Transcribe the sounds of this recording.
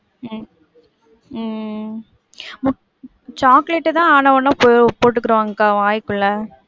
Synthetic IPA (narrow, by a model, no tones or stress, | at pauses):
mʊ | t͡ʃaːkleʈːɯt̪ãːaːnɐʋɐnːãːpopoːʈ̬ːɯkːɪɾɯʋaːŋɡɐkaːʋaːjkːɯɭːɐ